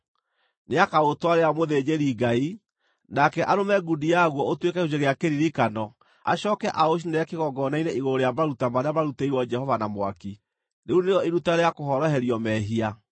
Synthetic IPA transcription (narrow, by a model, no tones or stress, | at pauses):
neakaotwaɾeamoðed͡ʒeɾiɡai | nakɛʔaɾomɛɡudijaɣwɔotwekɛuseɣeakeɾiɾikanɔ | a̰ɕɔːkɛʔaoʃ̬inajakeɣɔɡɔnaineʔiɣoɾoɾejamaɾutamaɾeamaɾuteiwɔd͡ʒɛhɔvanamwaki | neuneɔiɾutaɾeakoɦɔɾɔɦɛɾiɔmɛɦia